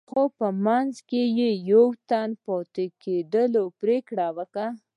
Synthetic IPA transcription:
xopəmanzkejejawt̪anpot̪eked̪əlopɾekɽawəka

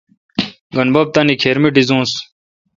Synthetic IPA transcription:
ɡɐnbɐb̚t̪ɐnikʰeːɾmiɖizũːs

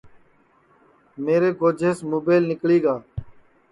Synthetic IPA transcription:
meːɾeːɡoːd͡ʒʱeːsmoːbeːɪlnɪkliːɡaː

